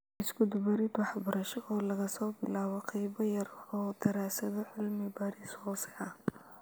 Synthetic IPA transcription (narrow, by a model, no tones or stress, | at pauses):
ɪskʰʊd̪bɐɾɪd̪wɑħbɐɾɐʃɔʔɔːlɐɣɐsɔːbɪlaːβɔqɑjbɐjɐrɔːd̪ɐɾaːsɐðɔʕɪlmɪbaːɾɪshɔːsɛɐh